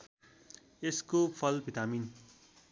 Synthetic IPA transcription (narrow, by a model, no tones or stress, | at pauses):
eskopʰʌlbʱit̪amin